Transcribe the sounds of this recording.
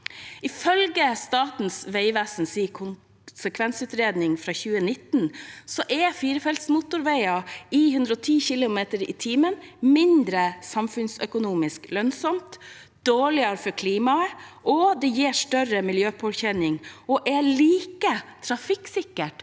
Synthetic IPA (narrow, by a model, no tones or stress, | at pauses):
ɪfœlɡəst̪ɑːt̪n̩sʋeɪʋæsnsiːkʰʊn | səkʰʋɛnsʉːt̪ɾeːd̪nɪŋfɾɑːçʉːənɪt̪n̩sɔʔɛfiːɾəfɛlt̪smʊt̪ʊɾʋæɪɑɪhʉnd̪ɾəɔt̪ʰiːçɪlʊmeːt̪əɾɪ̰t̪ʰiːmənmɪnd̪ɾəsɑmfʉnsœkʊnuːmɪsklœnsɔmt̪ | d̪̥oːɭɪəɾfɔkʰliːmɑəʔɔd̪ɛjeːʂʈœɾəmɪljøːpʰoːɾçɛnɪŋɔʔɛɭiːkət̪ʰɾɑfɪksɪkːəʈ